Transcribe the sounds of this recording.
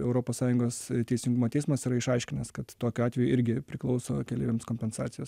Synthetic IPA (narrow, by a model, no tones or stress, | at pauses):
ɛʊɾoːpoːssɑːjʊŋɡoːsst̪ʲɛɪsʲɪŋɡumoːt̪ʲɛɪsmɐsiɾɐɪʃɐɪʃʲkʲɪnɐskɐt̪t̪oːkʲʊɑːtʲʋʲɛjʊʔɪɾʲɡʲɪpʲɾʲɪklˠɒʊso̰ːkʲɛlʲiːʋʲemskoːmʲpʲɛnsɑ̰ːt̪sʲɪjoːs